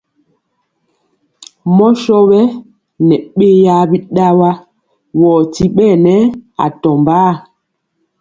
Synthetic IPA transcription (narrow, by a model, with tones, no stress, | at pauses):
mɔ˦ʃɔ˦bɛ˦ | nɛ˨ɓe˦ja˦bi˦ɗa˦wa˦ | wɔː˨ti˦ɓɛ˦˨nɛ˦a̰˨tɔ˨mbaː˦˨